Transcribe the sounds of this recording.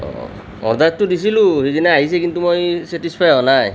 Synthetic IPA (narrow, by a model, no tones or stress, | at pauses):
ɔ̰ɾd̪atːud̪isiluhidinɛaɦis̬ekint̪umojseʈispʰajɔnaj